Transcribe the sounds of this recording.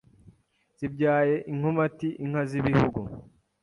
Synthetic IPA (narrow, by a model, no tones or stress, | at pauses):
z̥ibɟaːje̞ʔiŋ̥homatiʔiŋhaziβihuɡu